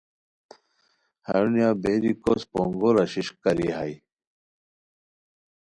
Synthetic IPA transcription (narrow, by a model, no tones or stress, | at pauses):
hɐɻnjɑːbeːɾikospo̰ŋɡoɾaɕiɕkɐɾḭɦai